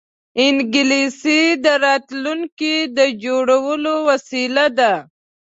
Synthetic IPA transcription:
ɪnɡɪlisid̪əɾɑːt̪lunkid̪əd͡ʒoɽawəlowasilad̪a

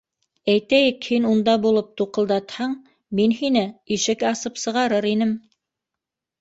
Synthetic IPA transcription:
æjt̪æjɘkhinund̪ɑbulˠɤp̚t̪uqɤ̆lˠd̪ɑt̪hɑɴ | minhinɘiʃɘkɑsɤpsɤ̆ʁɑɾɤɾin̪ɘm

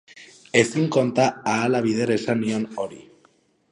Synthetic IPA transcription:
e̞siŋko̞nt̪aːlaβið̞e̞ɾaesaniono̞ɾḭ

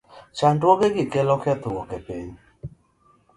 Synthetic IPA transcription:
t͡ʃandwɔɡeɡɪkɛlɔkɪɛt̪ʊwɔkɛpiɲ

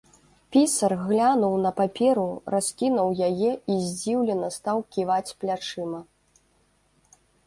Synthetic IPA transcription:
pʲisɐrɣlʲanuwnɐpapʲɛɾurasʲkʲinɐwjajɛizʲd͡zʲiwlʲɛnɐst̪awkʲivat͡sʲplʲat͡ʂɨmɐ

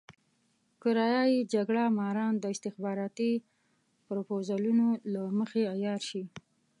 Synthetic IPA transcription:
koɾɑjɑjid͡ʒaɡɽamɑɾɑnd̪əɪst̪ɪxbɑɾɑt̪i | pɾopozalunolaməxeajɑɾʃi

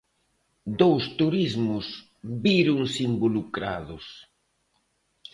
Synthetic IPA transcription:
d̪owst̪uɾizmʊs | βiɾʊŋsimbolukɾa̰ðʊs

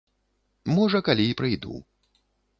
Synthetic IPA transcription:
mɔʐɐkalʲiːpɾɨjd̪ṵ

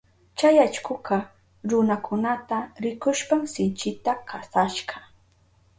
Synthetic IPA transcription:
t͡ʃajat͡ʃkʊkɑ | ɾʊnakʰʊnat̪aɾɪkʊʃpamsɪnt͡ʃɪt̪akʰasaʃɢɑ

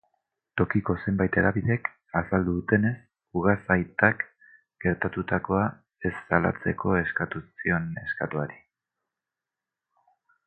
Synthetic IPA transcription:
t̪o̞kiko̞se̞mbajt̪e̞ɾaβiðe̞k | asald̪uðut̪e̞ne̞s | uɣ̞asajt̪ak | ɡ̥e̞ɾt̪at̪ut̪ako̞a | e̞sːala̰t͡se̞kʰo̞e̞skat̪usio̞ne̞ska̰t̪uaɾi

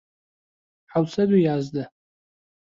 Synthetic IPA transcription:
ħawsʰadijazda

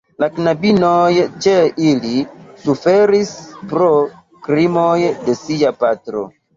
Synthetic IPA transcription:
laknabinojt͡ʃeilisufe̞ɾispɾo | kɾimo̞jde̞siapatɾo̞̰

